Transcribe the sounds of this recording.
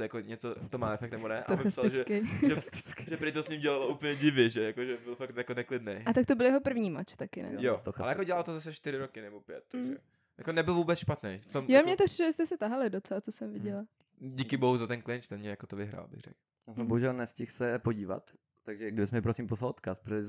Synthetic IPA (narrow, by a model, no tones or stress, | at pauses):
jakoɲɛt͡sot̪omaːɛfɛkt̪nɛbonɛʔaoɪssalʒɛkːʒɛst̪ɪ̥kʒɛpɾɪt̪osɲimɟɛlaloʔuːpl̩ɲɛɟɪvjɛʒɛjakoʒɛbɪlfak̚t̪jakonɛklɪdnejat̪ak̚t̪obɪljɛɦopr̩vɲiːma̰t͡ʃt̪akɪnɛ̰josoxalɛjaakoɟɛlalt̪ozas̬ɛʃt̪ɪɾɪɾokɪnɛbo̞pjɛt̪̚ːʒɛ̰ | jakonɛbɪlvuːbɛt͡sʃpat̪nejft̪omjomɲɛt̪opr̥ɪ̥ʃloɛst̪ɛsɛt̪aɦalɪdot͡sɛlat͡sosɛmvɪɟɛla | ɟiːkɪboɦuzat̪ɛnklɪnt͡ʃt̪ɛmɲɛjakot̪ovɪɦɾa̰ːlbɪ̰ɣrɛ̰k | jasɛmboɦuʒɛlnɛscɪxsɛpoɟiːva̰t̪ː | aɡʒɛɡdɪbɪsmɛɪpɾosimposalot̪kaspɾoɛ